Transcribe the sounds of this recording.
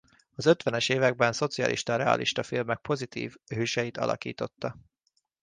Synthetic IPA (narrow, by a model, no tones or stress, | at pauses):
ɒzø̞t̪ʋɛnɛʃeːvɛɡ̚bɛnso̞t̪siɒ̰lʔḭʃt̪ɒɾɛɒ̰ːlʔḭʃt̪ɒfilmɛk̚po̞zit̪ḭːvhøːʃɛjit̪ɒ̰lʔɒ̰kḭːt̪o̞t̪ːɒ